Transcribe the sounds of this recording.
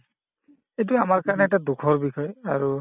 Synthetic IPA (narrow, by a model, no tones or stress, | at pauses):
ejt̬ʊamaɹkaɹɔnɛɛtadukʰɔɹbikʰɔjaɹu